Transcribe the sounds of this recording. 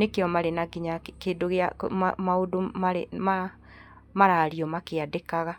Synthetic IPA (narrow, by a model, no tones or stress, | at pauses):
nekeɔmaɾenaɡiɲakeːdoɣea̰a̰maodomaɾema | maɾaːɾiɔmakeadekaɣa